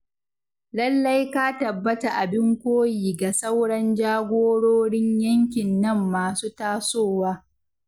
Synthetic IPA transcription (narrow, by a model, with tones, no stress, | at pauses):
lɐ˦lːɐ˦jkaː˦tɐ˨bːɐ˦ta˨ʔa˨bɪ˦ŋkʷoː˦jiː˨ɡa˨sɐ˦wɽɐ˦nd͡ʒaː˦ɡʷoː˦ɽoː˦ɽɪ˦ɲjɐ˦ŋkʲɪ˨nːɐ˦˨mːaː˨suː˦taː˦soː˦˨waː˦